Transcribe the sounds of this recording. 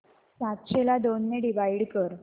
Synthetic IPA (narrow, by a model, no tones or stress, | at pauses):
sat̪ɕelad̪onːeɖiʋaiɽkəɾ